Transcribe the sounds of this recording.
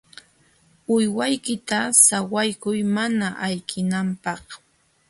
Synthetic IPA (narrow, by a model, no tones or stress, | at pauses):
ʊjwajkɪt̪asawajkʊjmanaʔajkʰɪnampɑχ